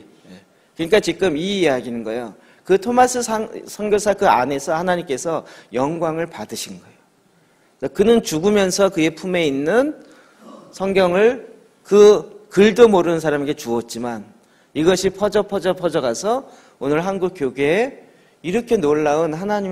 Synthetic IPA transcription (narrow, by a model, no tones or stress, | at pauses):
je | kɯɲik͈at͡ɕikɯmiːjaɡinɯnɡʌjo | kɯtʰomas͈ʰɯasʰʌŋɡjosʰakɯa̰ne̞sʰʌhanaɲimk͈e̞sʰʌjʌŋɡwaŋɯɭpadɯɕʰinɡʌeo | ekɯnɯnt͡ɕuɡumjʌnsʰʌkɯje̞pʰume̞inːɯn | sʰʌŋɡjʌŋɯɭ | kɯkɯɭdomoɾɯnɯns̬ʰaɾame̞ɡet͡ɕuʌt̚t͡ɕ͈iman | iɡʌɕʰipʰʌd͡ʑʌpʰʌd͡ʑʌpʰʌd͡ʑʌɡasʰʌ | onɯɭɦanɡuk̚k͈joɡeː | iɾʌkʰe̞noɭːaɯnhanaɲi